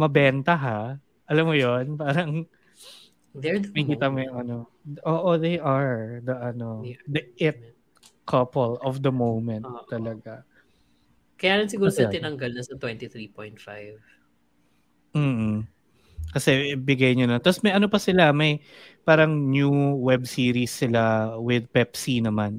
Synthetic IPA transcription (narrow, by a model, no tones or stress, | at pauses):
mɐbɛnt̪ɐɦa | ʔɐlɐmːojonpaːɾɐŋ | dɛmɐhkiːt̪ɐmojoŋʔɐno̞ | ʔoːʔod̪ejʔɐɹd̪ɐʔɐno̞d̪ɐɪt̪̚ | kʰɐpɛlʔɔfd̪ɐmowmɛnt̪ːɐlɐɡa | kɐjaːlɐnsɪɡuːɾosɛt̪ɪnɐŋɡɐlnɐsɐt̪wɛnt̪iθɾipɔjnt̪fajv | m̩ːʔ̩ | kɐsɛbɪɡɐjɲonɐt̪ɐsmɐjʔɐnopɐsɪlamɐj | paːɾɐŋnjuwɛbsiːɾisːɪlawɪd̪̚pɛpsinɐman